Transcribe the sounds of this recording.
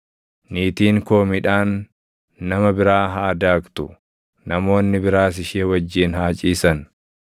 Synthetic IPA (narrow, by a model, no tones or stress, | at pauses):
niːt̪iːŋko̞ːmɪᶑaːnː | ɐmɐbɪɾaːɦaːd̪aːkt̪ʊ | nɐmo̞ːnːɪbɪɾaːs̬ɪʃeːwɐd͡ʒːɪːnhaːt͡ʃʼiːsɐn